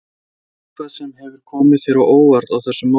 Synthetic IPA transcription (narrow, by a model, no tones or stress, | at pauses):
kʰvaðsɛmhɛvʏɾ̥kʰɔːmɪðfɪɾawʔoːwvaɾt̪awθɛsːʏma